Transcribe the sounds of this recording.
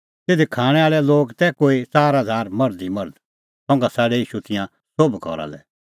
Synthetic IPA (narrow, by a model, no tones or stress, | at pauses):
t̪eːd̪ekʰaːɽ̃ɛ̃aːɭɛloːɡt̪ɛkoːit͡saːɾɦɐd͡zʱaːɾmɐɾd̪imɐɾd̪ | sɔ̃ːŋɡasaːɽɛiːʃut̪ɪ̃jã | sobkɔ̰ɾa̰lɛ̰